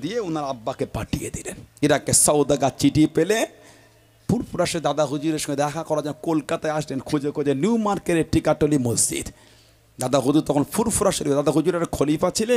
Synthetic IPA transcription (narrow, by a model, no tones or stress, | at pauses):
d̪ijeunaɾabːakepaʈijḛd̪ileneɾakesɔwd̪aɡat͡ɕiʈipele | pʰuɾfuɾaʃed̪ad̪aɦud͡ʑuɾeɾʃɔ̃ŋɡed̪ɛkʰakɔɾad͡ʑɛnokolkat̪aeaʃlenkʰud͡ʑekoɾd͡ʑenjumaɾkeɾeɾʈikaʈːolimozd͡ʑḭd̪ | d̪ad̪aɦud͡ʑuɾt̪ɔkʰonpuɾpuɾaʃeɾibed̪ad̪aɦud͡ʑuɾaɾakʰolijpaːt͡ɕʰile